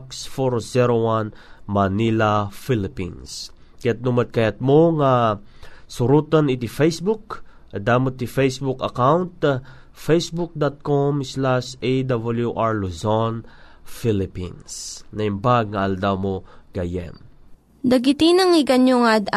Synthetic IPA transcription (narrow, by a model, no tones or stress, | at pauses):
ksfoɾsɛɾowanmɐnilafilɪpḭns | kɐjat̪̚numɐd̪̚kɐjat̪̚moŋa | sʊɾut̪ɐnɪt̪ifɛjsbuk | ʔɐd̪amot̪ifɛjsbukɐkawnt̪̚ | fɛjsbuk̚d̪at̪̚komslaʃejd̪abɐljuʔaɹlozon | filɪpḭnsnɐɪmbaɡ̚ŋɐɐld̪amoɡ̥ɐjɛ̰m | d̪ɐɡɪt̪inɐŋɪɡɐnjoŋad̪